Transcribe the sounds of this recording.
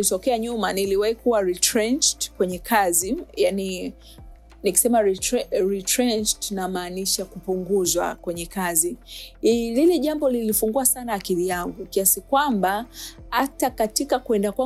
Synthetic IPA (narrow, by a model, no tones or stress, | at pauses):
litɔkɛaɲumaniliwaikuwaɾitɾɛnt͡ʃtkwɛɲɛkʰazijani | niki̥sɛmaɾɾitɾɛnt͡ʃtnamaːniʃakupuŋɡuzwa̰kwɛɲɛkazi | lilɛʄambɔlilifuŋɡuasanaːkiðijaŋɡukiasikwambahatakatikakuɛndakwa